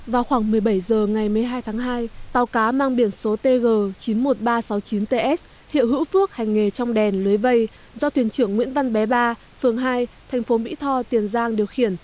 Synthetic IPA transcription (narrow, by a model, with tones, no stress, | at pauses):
vaː˨˩wxwaː˧˩ŋmɨ˨˩əjɓə˧˩jzəː˨˩ŋa˨˩jmɨ˨˩əjɦaː˧jt̪ʰaː˨˦ŋɦaː˧jt̪aː˨˩wkaː˨˦maː˧ŋɓi˧˩ənso˨˦t̪e˧ɣəː˨˩t͡ɕi˨˦nmo˨˩t̚ɓaː˧sa˨˦wt͡ɕi˨˦nt̪e˧ʔɛ˦˥s̚ | hḭ˧˨əwɦɨ̰˧˥wfɨ˦˥ək̚ha˨˩jŋ̟ːe˨˩t͡ɕɔ˧wŋ͡mɗɛ˨˩nlɨ˨˦jvə˧j | zɔ˧t̪ʰwi˧˩ənt͡ɕɨ˧˩əŋːwḭ˧˥ənva˧nɓɛ˨˦ɓaː˧ | fɨ˨˩əŋɦaː˧jt̪ʰɛ˨˩jŋ̟fo˨˦ɓḭ˧˥t̪ʰɔ˧t̪i˨˩ənzaː˧ŋɗi˨˩əwxi˧˩ən